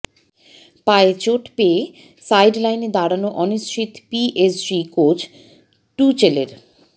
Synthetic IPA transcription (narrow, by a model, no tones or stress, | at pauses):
paet͡ɕoʈpee | sajɖlajned̪aɽanoʔɔnist͡ɕʰit̪piʔesɖikot͡ɕʰ | ʈut͡ɕelḛɾ